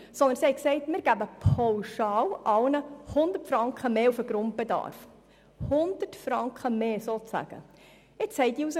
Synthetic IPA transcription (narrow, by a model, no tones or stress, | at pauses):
sɔnd̪ənsihɛɪksɛɪtmɪɾɡ̥æbəpʰɑwʃɑːlʔɑlnəhʊnd̪ətfɾɑŋkχəmeːufəɡɾʊnt̚b̥edɑ̰ɾf | hʊnd̪̥ətfɾɑŋkχəmeːsoːæ̰ɡ̥ə̰ | ɪt͡shɛɪtiːusə